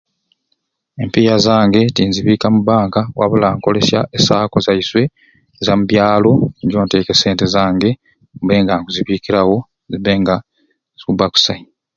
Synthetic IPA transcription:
e̞mpijazaːŋɡe̞tinziβiːkamuβaːŋkawa̰βulaːŋko̞le̞sjaʔesaːko̞zaiswe̞ː | zamuβjaːlo̞ɟoːnte̞ːke̞seːnte̞zaːŋɡe̞ | βe̞ːŋɡaŋɡuziβiːkiɾawo̞ | ziβe̞ŋɡa | z̥ikuβaku̥sai

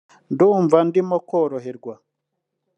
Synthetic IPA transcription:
nduːɱvandimokoːɾoɦeɾɡwa

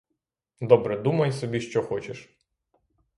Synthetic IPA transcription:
d̪ɔbɾɛd̪umɐjsɔbʲiʃt͡ʃɔxɔt͡ʃeʃ

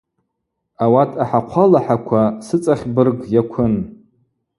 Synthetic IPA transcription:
awatʰʼaħaqʷʰalaħakʷʰasɨt͡sʼaχʲbɨrɡjakʷʰʊn

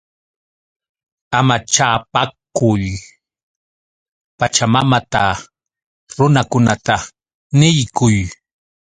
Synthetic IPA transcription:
amat͡ʃaːpakʊj | pat͡ʃamamat̪a | ɾʊnakʊnat̪a | nɪjkʊj

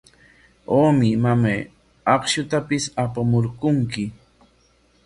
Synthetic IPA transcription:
oːmɪmamaj | ɑχʃʊt̪apɪsapamoɾkʊŋkɪ

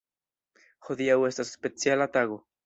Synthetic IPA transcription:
xoðiawest̪ase̥spet͡sjalat̪aɣo

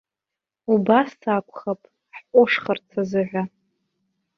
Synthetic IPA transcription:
ubasːakʷʰʼχapʼ | ħqʷʼʊʂχart͡sʰazɨʕʷa

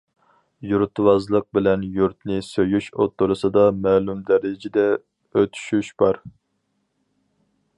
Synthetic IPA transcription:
juɾt̪ʰwɑzlˠəq̚bɪlɛnjuɾt̪nɪsøjyʃot̪ʰːuɾɨsɨd̪ɑmɛːlˠumd̪ɛɾɪd͡ʒɪd̪ɛ | øt̪ʰy̥ʃyʃb̥ɑɾ

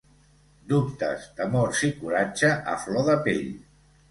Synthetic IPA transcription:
d̪up̚t̪ə̰zd̪əmoɾsikuɾad͡ʒəʔə̰flɔðəpḛʎ

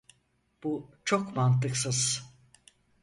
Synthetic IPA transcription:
b̥ut͡ʃʰokmant̪ʰɯksɯz̥

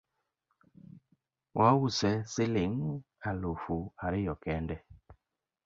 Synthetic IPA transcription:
wʔausɛsiliŋ | alufuaɾijɔkɛndɛ

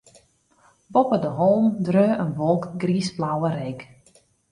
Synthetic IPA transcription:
bɔpədəɦɔlˠmdrøːʔənʋɔlˠkɡriːsblawəɾɛk

